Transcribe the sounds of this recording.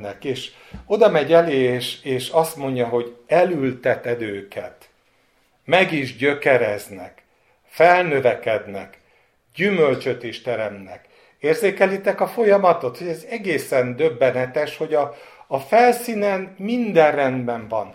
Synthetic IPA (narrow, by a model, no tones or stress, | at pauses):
nɛkeːʃ | o̞d̪ɒmɛɟɛleːʃeːʃɒst̪mo̞ɲɟɒɦo̞ɟɛlylt̪ɛt̪ɛd̪øːkɛ̰t̪ | mɛɡiʒɟø̞kɛɾɛznɛ̰k | fɛlnø̞vɛkɛd̪nɛ̰k | ɟymølt͡ʃø̞t̪iʃt̪ɛɾɛmt̪nɛ̰k | eːrzeːkɛlit̪ɛkɒfo̞jɒmɒt̪o̞t̪ho̞ɟɛzɛɡeːsɛnd̪øbːɛnɛt̪ɛʃho̞ɟɒːfɛlsiːnɛnmind̪ɛrrɛnd̪bɛɱvɒn